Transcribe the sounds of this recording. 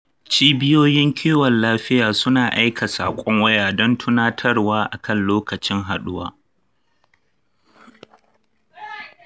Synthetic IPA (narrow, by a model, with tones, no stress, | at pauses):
t͡ʃiː˦bɪ˦joː˦jɪ˦ŋkʲʰiː˦wɐ˨nlaː˦ɸɪ˦jaː˨sʊ˦naː˨ʔa˦jkʰa˨saː˨kʷʼɔ˦ŋwɐ˦jaː˨dɔ˦ntʰʊ˦naː˦tʰɐ˦rwaː˦ʔa˨kʰɐ˦˨nloː˦kɐ˨t͡ʃɪ˦ŋɦa˨ɗʊ˦wa̰ː˨